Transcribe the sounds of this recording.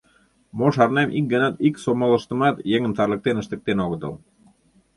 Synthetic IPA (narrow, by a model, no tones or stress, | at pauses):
moʃɑrnemʔik̚ɡɤnɑt̪iksomolə̆ʃt̪ə̆mɑt̪jeŋə̆mt̪ɑrlə̆k̚t̪enə̆ʃt̪ə̆k̚t̪enoɣət̪ɤ̰l